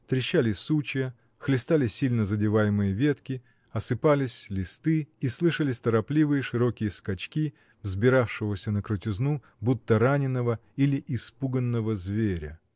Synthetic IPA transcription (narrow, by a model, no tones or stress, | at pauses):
t̪ɾʲɪɕːalʲɪsut͡ɕɪjə | xlʲɪst̪alʲɪsʲilʲnəzədʲɪvajɪmɨjəvʲet̪kʲɪ | ɐsɨpalʲɪsʲlʲɪst̪ɨislˠɨʂəlʲɪsʲt̪əɾɐplʲivɨjəʂɨɾo̞kʲɪjəskɐt͡ɕkʲi | vzbʲɪɾafʂɨvəsʲənəkɾʊtʲɪznu | but̪ːəɾanʲɪnːəvəilʲɪʔɪspuɡənːəvəzvʲeɾʲə